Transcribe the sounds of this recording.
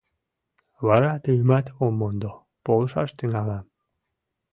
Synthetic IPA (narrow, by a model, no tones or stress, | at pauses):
βɑɾɑt̪ɯɣmæt̪omːond̪o | polˠʃɑ̰ʃt̪yŋælæ